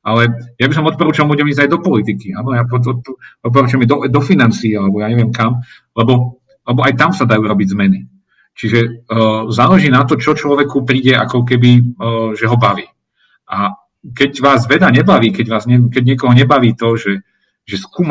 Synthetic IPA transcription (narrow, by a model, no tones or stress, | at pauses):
ʔalɛjabis̬ɔmɔt̪pɔɾuːt͡ʃalˠmbuːɟɛmiːzajd̪ɔpɔlit̪ikiaːnɔjapɔɔɔt̪̚p̬ɔɾuːt͡ʃʊɛmid̪ɔd̪ɔfinant͡siːalɛbɔjaːɲɛʋɪɛmkam | lɛbɔ | lɛbɔʔajt̪amsad̪ajuːɾɔbizmɛni | t͡ʃiʒɛ | zalɛʒiːnat̪ɔt͡ʃɔt͡ʃlɔʋɛkupɾiːɟɛa̰kɔkɛbiʒɛɦɔbaʋiː | ʔa | kɛɟʋaːzʋɛd̪aɲɛbaʋiːkɛɟʋaːzɲɛkɛɟɲɪɛkɔɦɔɲɛbaʋiːt̪ɔʒɛ | ʒɛskuːm